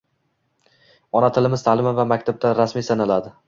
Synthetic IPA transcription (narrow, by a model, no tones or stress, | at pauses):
ɒnat̪ʰɪlɪmɪz̥t̪ʰaːlɪmavamak̚ʲt̪ʰab̚d̪aɾasmiːsanalad̪ɪ